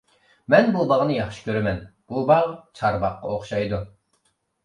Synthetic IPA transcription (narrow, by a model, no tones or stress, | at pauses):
mɛnbubɑʁnɨjɑχʃi̥kʲʰøɾɛmɛnb̥ubɑʁt͡ʃʰɑɾbɑqːɑ̰oχʃɑjd̪u